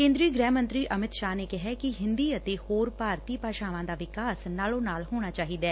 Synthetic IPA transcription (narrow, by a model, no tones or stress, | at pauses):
kẽːnd̪ɾiːɡɾɛ̃ːmənt̪ɾiːʔəmɪt̪ʃaːneːkɪɦɛːkɪɦɪnd̪iːət̪eːhoːɾpaːɾt̪iːpaːʃaːʋãːd̪aːʋɪkaːsnaːlõːnaːlhoːɽ̃aːt͡ʃaːɦiːd̪ɛː